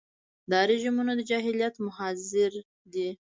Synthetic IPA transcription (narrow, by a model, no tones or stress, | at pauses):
d̪ɑɾeʒimunod̪əd͡ʒɑɦɪlijat̪mʊhazɪɾ | d̪i